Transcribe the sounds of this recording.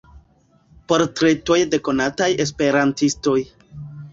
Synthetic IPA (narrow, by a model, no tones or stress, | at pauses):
po̞ɾtɾe̞to̞jde̞ko̞nataje̞spe̞ɾantisto̞j